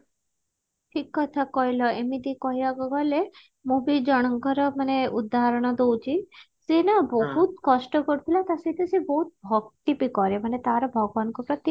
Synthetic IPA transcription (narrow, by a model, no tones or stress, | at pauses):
ʈʰikːɔt̪ʰakɔɦjlɔemid̪ikɔɦjaɡɔɡɔle | mubid͡ʒɔɽ̃ɔŋkɔɾɔmaneud̪ːaɾɔɽ̃ɔd̪owt͡ʃʰi | senabɔɦut̪̚kɔʃʈɔkɔɾt̪ʰilat̪aset̪ʰesebɔɦut̪̚bʱɔɡt̪ipikɔɾemanet̪aɾɔbʱɔɡɔʋankɔpɾɔt̪i